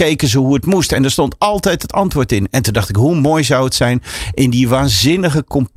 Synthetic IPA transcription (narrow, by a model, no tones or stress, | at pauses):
ejkənzəɦuətmustɛndəɹstɔntɑlˠtɛjtɦətɑntʋʊːɹtɪnɛntundɑχtɪkɦumoːjzʌwətsɛjnʔɪndiʋaːnzɪnəɣəkɔmp